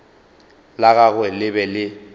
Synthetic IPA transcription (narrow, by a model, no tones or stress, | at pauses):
laɣaɣwɛlɪbɛlɪ